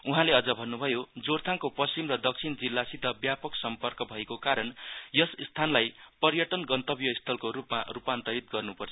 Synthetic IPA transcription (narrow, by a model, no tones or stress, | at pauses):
uɦãleʌd͡zʌbʱʌnːubʱʌjod͡zort̪ʰaŋkopʌsimrʌd̪ʌk̚t͡sʰind͡zilːasit̪ʌbjapʌksʌmpʌrkʌbʱʌekokaɾʌnjʌsst̪ʰanlajpʌrjʌʈʌnɡʌnt̪ʌbjʌist̪ʰʌlkoɾupma̰rupant̪ʌɾit̪̚ɡʌrnupʌrt͡sʰʌ